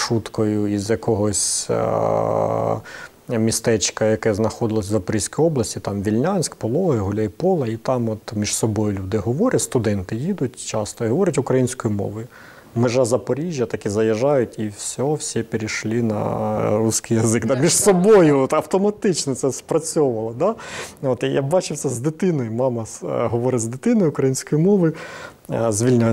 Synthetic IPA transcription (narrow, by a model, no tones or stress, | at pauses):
ʃut̪kɔjʊizjɐkɔɦɔsʲ | mʲist̪ɛt͡ʃkɐjɐkɛznɐxɔd̪ɪlˠɔsʲzɐpɔɾʲisʲkɔjɔblˠɐsʲtʲit̪ɑmʋʲilʲnʲɑnʲsʲkpɔlˠɔɦɪɦʊlʲaipɔlˠɐit̪ɑmɔt̪mʲiʒsɔbɔjʊlʲud̪ɪɦɔʋɔɾʲɐtʲst̪ʊd̪ɛnt̪ɪjid̪ʊtʲt͡ʃɑst̪ɔiɦɔʋɔɾʲɐtʲʊkɾɐjinʲsʲkɔjʊmɔ̰ʋɔjʊ | meʒɑzɐpɔɾʲiʒʲjɐt̪ɐkʲizɐjɐʒɑjʊtʲiwsʲɔwsʲipeɾʲiʃlʲˠinɐ̰rusʲkɪjɐzɪkd̪ɑmʲiʃsɔbɔjʊɔt̪ɐwt̪ɔmɐt̪ɪt͡ʃnɔt̪sɛspɾɐt͡sʲɔʊʋɐlˠɐd̪ɑɔt̪ja̰bɑt͡ʃɪwt̪sɛzd̪ɪt̪ɪnɔjʊmɑmɐɦɔʋɔɾɪzd̪ɪt̪ɪnɔjʊʊkɾɐjinʲsʲkɔjʊmɔʋɔjʊ | zʲʋʲilʲnʲa